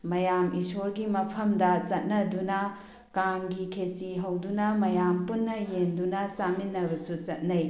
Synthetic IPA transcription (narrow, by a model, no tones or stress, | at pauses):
mɐjamisoɾɡimɐpʰɐmdɐt͡ʃɐt̚nɐdunɐ | kaŋɡikʰesiɦɐwdunɐmɐjampunːɐjendunɐsaminːɐbɐsut͡ʃɐt̚nɐj